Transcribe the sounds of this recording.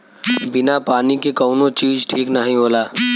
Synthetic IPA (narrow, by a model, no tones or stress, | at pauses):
bɪnapaːnikekɔːnot͡ʃiːd͡ʒʈʰiːknəɦĩɦoːlaː